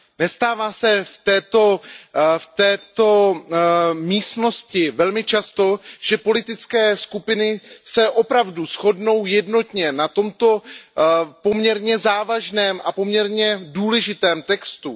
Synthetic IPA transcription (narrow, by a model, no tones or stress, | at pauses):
nɛst̪aːvaːsɛft̪ɛːt̪o̞ft̪ɛːt̪o̞ | miːst̪no̞scɪvɛlmɪt͡ʃast̪o̞ʒ̥ɛpo̞lɪt̪ɪt͡skɛːskupɪnɪsɛʔo̞pɾavdusxo̞dno̞wjɛdno̞t̪ɲɛnat̪o̞mt̪o̞ | po̞mɲɛɾɲɛzaːvaʒnɛːmʔapo̞mɲɛɾɲɛduːlɛʒɪt̪ɛːmt̪ɛkst̪u